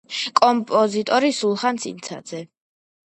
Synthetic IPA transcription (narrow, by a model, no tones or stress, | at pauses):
kʼɔmpʼɔzit̪ʼɔɾisulˠχansḭnt̪sʰa̰d̪z̥ɛ